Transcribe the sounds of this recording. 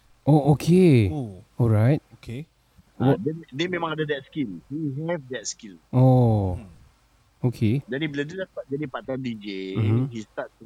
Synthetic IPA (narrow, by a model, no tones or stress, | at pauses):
ʔoʔokʰe | ɔlɹajt̚okʰe | ɔdɛdɛmẽmãŋadadɛt̚skilhiɦɛvd̪ɛt̚skilo | okʰed͡ʒadibəladilasəbap̚d͡ʒadipat̪andid͡ʒehist̪at̚s